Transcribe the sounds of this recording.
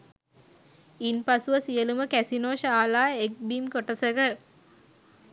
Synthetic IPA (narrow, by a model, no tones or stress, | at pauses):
inpasuʋəsijəluməkæsinoːʃaːlaːek̚bimkoʈəsəɡə